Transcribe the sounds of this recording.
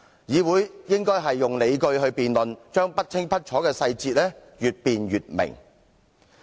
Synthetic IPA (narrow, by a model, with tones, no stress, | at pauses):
jiː˨˧wuː˨˥jjɪ˥ŋkɔː˥jɦɐ˨jːʊ˨ŋle˨˧jkɵ˧ɥɦɵ˧ɥpiː˨nlɵ˨nt͡ʃœː˥ŋpɐ˥t̚t͡sʰɪ˥ŋpʰɐ˥t̚t͡ʃʰɔː˨˥kɛː˧sɐ˧jt͡siː˧t̚lɛː˥jyː˨t̚piː˨nɥyː˨t̚mɪ̰˨˩ŋ